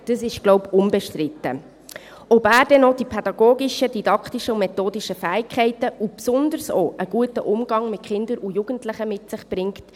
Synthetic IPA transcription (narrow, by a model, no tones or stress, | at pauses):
d̥əsɪʃɡ̥lɔʊpʊnbɛʃtrɪt̪ːə̰ | ɔbæːɾdɛnɔd̥ipʰɛd̥ɑɡoːɡɪʃədidɑkχtiʃəumɛtoːdiʃəfæːɪkχɛɪtəupsʊnd̪əɾso̰ːʔəɡ̥uətəʔʊmɡ̥ɑŋmɪtχɪnd̪əɾujuɡ̥əntlɪχəmɪtsɪχb̥rɪŋkt